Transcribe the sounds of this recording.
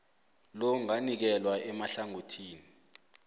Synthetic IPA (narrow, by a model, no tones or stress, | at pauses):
loŋanik̬ɛlwaɛmaɬaŋotʰiːni